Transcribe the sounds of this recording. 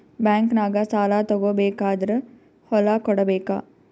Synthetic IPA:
bɛːŋknaːɡasaːlaːt̪oɡoːbeːkaːd̪ɾə | holaːkɔɽəbeːka̰ː

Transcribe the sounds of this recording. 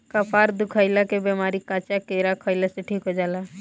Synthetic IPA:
kəpaːɾd̪ukʰaɪlakebemaːɾikãt͡ʃakeɾakʰəɪlasẽʈʰiːkɦod͡ʒaːla

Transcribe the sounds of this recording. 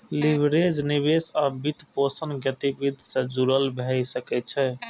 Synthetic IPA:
libɾed͡ʒnibesabit̪posənɡət̪ibid̪ʱsẽd͡ʒuɾəlbʱɛsəkɛt̪̚t͡ʃʰɛ

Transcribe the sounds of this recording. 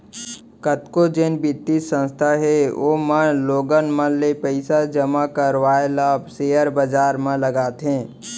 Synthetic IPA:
kət̪kod͡ʒeːnbɪt̪ːisə̃nst̪ʰaɦeomãloːɡənmə̃lepəɪsad͡ʒəmakəɾʋaːelaːbseːəɾbəd͡ʒaːɾmãləɡaːt̪ɦẽː

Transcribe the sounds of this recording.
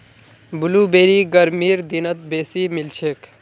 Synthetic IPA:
bulubeːɾiɡəɾmiːɾd̪inət̪̚beːsimilt͡ʃʰek

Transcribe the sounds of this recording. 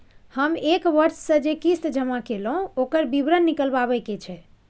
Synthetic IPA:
həmekʋəɾssə̃d͡ʒekist̪d͡ʒʱəmakelɦũokəɾbibɾənːikəlbaβɛjket͡ʃʰɛ

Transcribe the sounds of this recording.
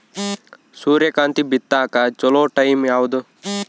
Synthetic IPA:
suːɾjɐkaːnt̪ibit̪ːaːkat͡ʃɔloːʈɐjmjaːʋud̪u

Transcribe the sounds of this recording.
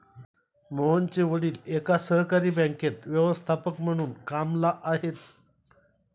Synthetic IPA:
moɦənt͡ɕeʋəɽiːlekasəɦkaɾiːbɛ̃ŋket̪ʋjəʋəst̪ʰapəkm̤əɽ̃uːnkamlaʔaɦet̪

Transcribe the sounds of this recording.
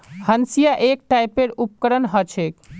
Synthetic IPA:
hənsijaʔek̚ʈajpeɾup̚kəɾənɦət͡ʃʰek

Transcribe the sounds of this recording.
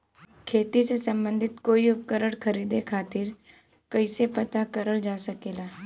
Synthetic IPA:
kʰeːt̪isesɐ̃mbə̃nd̪ʱɪt̪koːiʊp̚kəɾəɽkʰəɾiːd̪ekʰaːt̪ɪɾ | kɐɪsepɐt̪akəɾəld͡ʒaːsəkeːlaː

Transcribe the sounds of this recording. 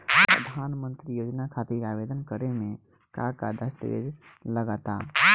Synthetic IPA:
pɾə̰d̪ʱaːnmə̃nt̪ɾijoːd͡ʒnakʰat̪iɾabed̪ənkəɾemẽ | kakad̪əst̪ə̰ʋḛd͡ʒləɡət̪a̰

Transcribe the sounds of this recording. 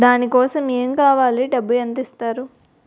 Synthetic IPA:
d̪aːnikɔːsɐmeːmkaːʋaːliɖɐbːujɐnt̪ist̪aːɾu

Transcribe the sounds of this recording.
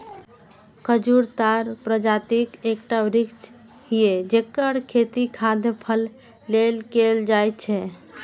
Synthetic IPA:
kəd͡ʒuɾt̪aɾpɾəd͡ʒat̪ikekʈabɾikt͡ʃ | hijed͡ʒekːəɽkʰet̪ikʰad̪ʱepʰəlː | elkeld͡ʒajt͡ʃʰɛ

